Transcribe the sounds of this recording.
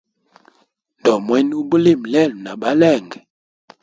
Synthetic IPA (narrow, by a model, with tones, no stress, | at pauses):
n˨dɔ˨mwɛ˦n˦u˦bu˦li˦˨m˨lɛ˦˨lu˨na˨ba˦lɛ˦˨ŋɡɛ˨